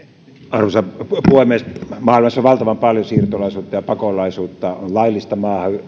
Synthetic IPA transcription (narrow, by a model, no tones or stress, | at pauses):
ɑrusɑpuoˑemeˑst̪mɑːilmɑsːoʋʋɑlt̪ɑʋɑmpɑljosiːrt̪olɑˑisuːt̪ːɑjɑpɑkolɑisuːt̪ːɑollɑilːist̪ɑmɑːhɑ